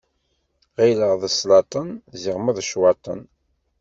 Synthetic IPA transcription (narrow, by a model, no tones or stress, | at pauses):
ʁiləʁðəslɑt̪ˤənziʁmæðʃwɑt̪ˤə̰n